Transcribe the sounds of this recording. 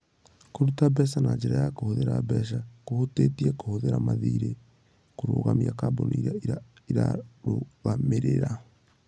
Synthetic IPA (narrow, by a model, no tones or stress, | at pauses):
koɾutabɛsanaɲd͡ʒɛɾajakohoðeɾabɛʃ̬akohoteːtiɛkohoðeɾamaðiːɾe | koɾoːɣamiakaboniiɾaia | iɾa̰ɾoɣameɾeɾa